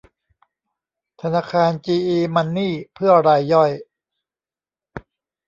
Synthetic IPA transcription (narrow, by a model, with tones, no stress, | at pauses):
t̪ʰa˧naː˧˥˩kʰaː˧nt͡ɕiː˧ʔiː˧ma˧nːiː˥˩pʰɯ˥˩ɐɾa˧jːɔ˥˩j